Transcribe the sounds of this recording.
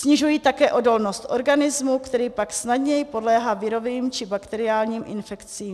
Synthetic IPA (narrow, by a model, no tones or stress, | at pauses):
sɲɪʒujiːt̪akɛːʔo̞do̞lno̞st̪ʔo̞ɾɡanɪzmukt̪ɛɾiːpaksnadɲɛjɪpo̞dlɛːɦaːvɪɾo̞viːmt͡ʃɪbakt̪ɛɾɪaːlɲiːmʔɪ̰nfɛkt͡siːm